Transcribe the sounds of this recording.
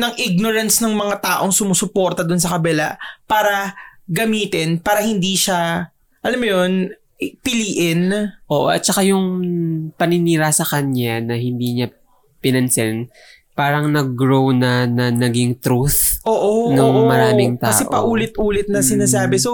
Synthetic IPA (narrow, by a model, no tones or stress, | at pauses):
nɐŋʔɪɡ̚noɾɐnsnɐŋmɐŋat̪aːʔo̞ŋsʊmusʊpo̞ːɾt̪ɐd̪ʊns̬ɐkɐbɛla̰paːɾɐɡɐmiːt̪ɪnpaːɾɐhɪnd̪iːʃa | ʔɐlamːojon | pɪliːʔɪnʔoːʔoʔɐ̰t̪̚t͡ʃɐkajʊŋpɐnɪniːɾɐsɐkɐɲanɐhɪnd̪iɲa | pɪnɐnsɛn | paːɾɐŋnɐɡɾownɐnɐnɐɡiŋt̪ɾuθʔoːʔonoŋmɐɾaːmɪŋt̪aɐsɛʔopɐʔuːlɪt̪̚ʔuːlɪt̪̚nɐsɪnaːs̬aːbɛso